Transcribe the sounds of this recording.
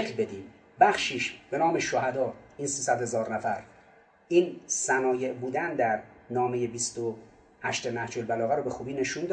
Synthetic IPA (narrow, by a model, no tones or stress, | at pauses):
eklbe̞d̪iːm | bæχʃiːʃb̥e̞nɒːmeʃohæd̪ɒːiːnsiːsæd̪he̞zɒːɾnæfæɾ | ʔiːnsænɒːje̞ʔbuːd̪ænd̪æɾnɒːme̞je̞bist̪o | hæʃt̪emæhd͡ʒolbælɒːɣæɾobe̞xuːbiːne̞ʃuːnd̪